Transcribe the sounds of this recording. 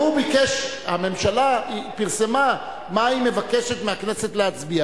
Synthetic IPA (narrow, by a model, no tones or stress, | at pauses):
ubikeʃame̞mʃalaipiʁsema | maime̞vake̞ʃetmeaknese̞tleat͡sbia